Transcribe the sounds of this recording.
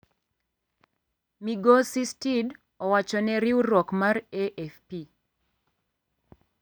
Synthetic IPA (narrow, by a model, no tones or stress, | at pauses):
miɡɔsistid | ɔwat͡ʃɔnɛɾiuɾɔkmareʔɛfpi